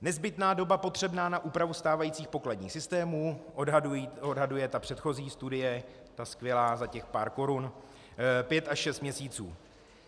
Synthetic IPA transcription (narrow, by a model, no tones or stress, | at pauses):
nɛzbɪt̪naːdo̞bapo̞t̪r̝̥ɛbnaːnaʔuːpɾavust̪aːvajiːt͡siːxpo̞kladɲiːxsɪst̪ɛːmuː | odɦadujɛt̪apr̥ɛt̪xo̞ziːst̪udɪjɛ | t̪askvjɛlaːzacɛxpaːɾko̞ɾun | pjɛt̪aʃʃɛst̪mɲɛsiːt͡sṵː